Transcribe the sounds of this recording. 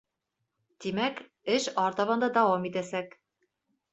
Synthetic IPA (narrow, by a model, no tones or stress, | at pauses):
t̪imæk | ɘʃɒɾt̪ɑβɑ̆nd̪ɑd̪ɑwɑmit̪æsæk